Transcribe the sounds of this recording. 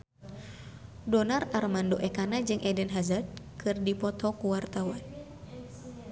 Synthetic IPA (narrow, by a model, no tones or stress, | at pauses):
dɔnararmandoʔɛkanad͡ʒɨŋʔɛdɛnɦazat̪̚kɨrdipɔt̪ɔkuwart̪awan